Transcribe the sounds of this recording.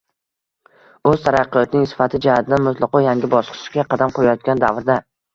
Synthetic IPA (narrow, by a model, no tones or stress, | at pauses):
ɵzt̪ʰaɾɑqːɨjɒt̪nɪŋsɪ̥fat̪ʰɪd͡ʒahat̪ʰɪd̪anmʊt̪ʰlˠɑqɒjaŋɡʲɪbɒsqʰɨ̥ʃɡʲaqʰɑd̪amqʰojajɒt̪̚kʲand̪avɾd̪a